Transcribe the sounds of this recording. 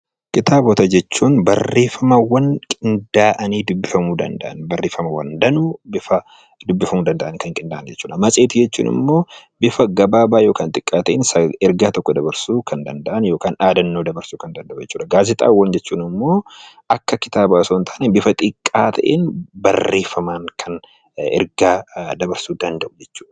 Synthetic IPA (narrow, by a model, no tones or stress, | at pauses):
kɪt̪aːbɔt̪ɐd͡ʒɛt͡ʃːuːnbɐ̰rːeːfɐmɐwɐŋkʼɪnd̪aːʔɐniːd̪ʊbːɪfɐmuːd̪ɐ̰nd̪ɐ̰ʔɐnbɐrːeːfɐmɐwɐ̰nd̪ɐnuːbɪfɐ | d̪ʊbːɪfɐmuːd̪ɐnd̪ɐʔɐnkɐŋkʼɪnd̪ɐʔɐnd͡ʒɛt͡ʃːuːᶑɐmɐsʼe̞ːt̪id͡ʒɛt͡ʃːṵːnʔɪ̰mːo̞ːbɪfɐɡɐbaːbaːjo̞ːkaːnt̪ʼɪkʼːaːt̪ɐʔḛnsɐɪɾɡaːt̪ɔkːɔd̪ɐbɐɾsuːkʰɐnd̪ɐnd̪ɐʔɐnjo̞ːkaːnᶑaːd̪ɐnːo̞ːd̪ɐbɐɾsuːkɐnd̪ɐnd̪ɐʔʊd͡ʒɛt͡ʃːuːᶑɐɡaːzɪt̪ʼa̰ːwːɐnd͡ʒɛt͡ʃːuːnɪmːo̞ːʔɐkːɐkɪt̪aːbaːsoːnt̪ʰaːnebɪfɐt̪ʼɪkʼːaːt̪ʰɐ̰ʔḛnbɐrːe̞ːfɐmaːŋkʰɐn | ɪ̰ɾɡaːd̪ɐbɐɾsuːd̪ɐnd̪ɐʔʊd͡ʒɛt͡ʃːu̥ːᶑɐ̥